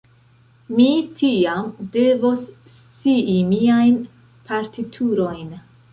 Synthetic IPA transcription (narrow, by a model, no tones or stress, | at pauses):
mitʰiamde̞vo̞sː | t͡siʔimiajn | paɾtitʰuɾo̞jn